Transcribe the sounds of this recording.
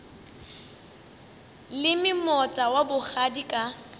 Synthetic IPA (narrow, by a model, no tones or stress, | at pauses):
lɪmɪmɔt͡sʼawabʊk͡xadikʼa